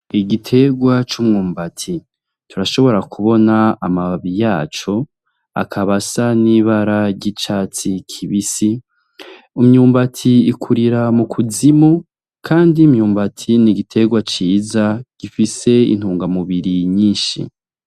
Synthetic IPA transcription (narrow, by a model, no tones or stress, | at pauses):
iɡitʰe̞ɡwat͡ʃumŋuːmbatʰi | tuɾaʃo̞βo̞ɾakʰuβo̞naamaβaβijaːt͡ʃo̞ | a̰kʰaβasaniβaɾaɾɟit͡ʃaːt͡sikʰiβisi | umɲuːmbatʰiikʰuɾiɾamukʰuzimu | kʰaːndimɲuːmbatʰiniɡitʰe̞ɡwat͡ʃiːzaɡ̥ifise̞ḭn̥huːŋɡamuβiɾiɲiːnʃḭ